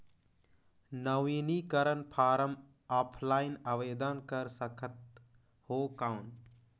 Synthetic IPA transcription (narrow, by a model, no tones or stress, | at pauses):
nəʋinikəɾənpʰaːɾəm | aːpʰlaːɪnəʋeːd̪ənkəɾsəkʰət̪̚ | hoːkawn